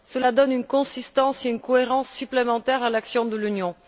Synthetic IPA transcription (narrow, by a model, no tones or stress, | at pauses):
səlad̪ɔnynkɔ̃sist̪ɑ̃seynkɔeʁɑ̃sːyplemɑ̃t̪ɛʁalaksjɔ̃d̪əlynjɔ̃